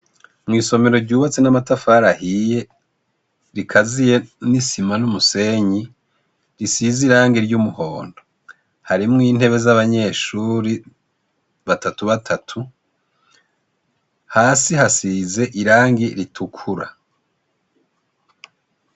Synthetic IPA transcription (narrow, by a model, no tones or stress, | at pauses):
mŋiːso̞me̞ɾo̞ɾɟuːβat͡senamatafaːɾahije̞ | ɾikʰazije̞nisimanumuse̞ɲi | ɾisiziɾaːŋɡiɾɟumuho̞ːndo | haɾimŋiːn̥he̞βe̞zaβaɲe̞ːʃuɾi | βatatuβatʰatʰu | haːsihasize̞ʔiɾaːŋɡiɾitʰukʰuɾa̰